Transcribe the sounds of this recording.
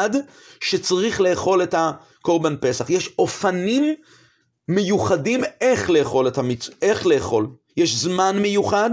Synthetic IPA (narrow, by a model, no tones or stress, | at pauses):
ad | ʃe̞t͡saʁiχle̞ːχo̞letha | koʁbanpe̞saχjeʃo̞fanimː | ejuχadime̞χleːχo̞lethamit͡se̞χle̞ːχo̞l | jeʃzmanme̞juχad